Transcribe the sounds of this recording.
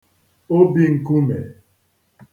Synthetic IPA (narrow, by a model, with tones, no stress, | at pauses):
o˦bi˦ŋ̩˨ku˦mḛ˨